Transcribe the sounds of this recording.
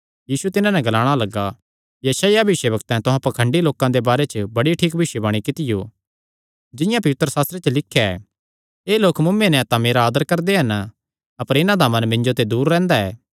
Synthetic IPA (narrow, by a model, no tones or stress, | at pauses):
jiːsut̪ɪnãnɛɡɐlaːɽ̃alɐɡːa | jɐsaːjabʱɪʃebɐkt̪ɛ̃t̪ʊɦãpɐkʰə̃ɳɖiloːkãd̪ebaːɾet͡ʃəbɐɽiʈʰiːk̚bʱɪʃebɐɽ̃ikɪt̪ɪjo̰ː | d͡ʒɪ̃jãpɐʋɪt̪ɾəsaːst̪ɾet͡ʃəlɪkʰːjaɛ̰ | eːloːkmʊmːẽnɛ̃t̪ãmeːɾaːd̪əɾkɐɾd̪eɦɐn | ɐpəɾɪnãd̪amɐ̃nmɪ̃ɲd͡ʒot̪ed̪uːɾːɛ̃ːnd̪aɛː